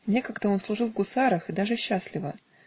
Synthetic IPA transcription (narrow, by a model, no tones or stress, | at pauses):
nʲe̞kəɡt̪əo̞nslˠʊʐɨlˠvɡʊsaɾəxɨd̪aʐɨɕːaslʲɪvə